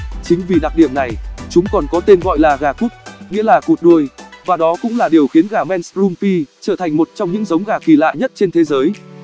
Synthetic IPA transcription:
t͡ɕï˨˦ŋ̟vi˨˩ɗa˨˩k̚ɗḭ˧˩əmna˨˩jt͡ɕʊ˨˦ŋ͡mkɔ˨˩nkɔ˨˦t̪e˧nɣɔ̰˧˨jlaː˨˩ɣaː˨˩ku˦˥t̚ŋḭ˧˥əlaː˨˩ku˨˩t̚ɗu˧əjvaː˨˩ɗɔ˨˦kʊ̰˧˥ŋ͡mlaː˨˩ɗi˨˩əwxi˨˦ənɣaː˨˩mɛ˧nszu˧mfi˧t͡ɕəː˧˩t̪ʰa˨˩jŋ̟mo˨˩t̚t͡ɕɔ˧wŋ͡mɲɨ̰˧˥ŋzə˨˦wŋ͡mɣaː˨˩ki˧˩la̰ː˧˨jɲə˦˥t̚t͡ɕe˧nt̪ʰe˨˦zəː˨˦j

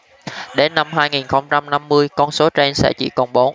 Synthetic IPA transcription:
ɗe˨˦nːa˧mɦaː˧jŋi˨˩nxə˧wŋ͡mt͡ɕa˧mna˧mːɨ˧əjkɔ˧nso˨˦t͡ɕe˧nsɛ̰˧˥t͡ɕḭ˧˩kɔ˧˩nɓo˨˦

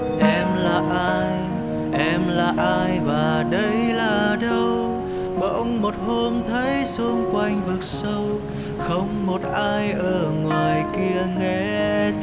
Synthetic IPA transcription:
ʔɛ˧mlaː˨˩ʔaː˧jj | ʔɛ˧mlaː˨˩ʔaː˧jvaː˨˩ɗə˧jlaː˨˩ɗə˧w | ɓə˨˧˩ʔə˧wŋ͡mmo˨˩t̚ho˧mt̪ʰə˨˦jsɨ˧ŋ͡mkwa˧jŋ̟vɨ˨˩k̚sə˧w | xə˧wŋ͡mmo˨˩t̚ʔaː˧jʔəː˧˩ŋwaː˨˩jki˧əŋɛ˧˥

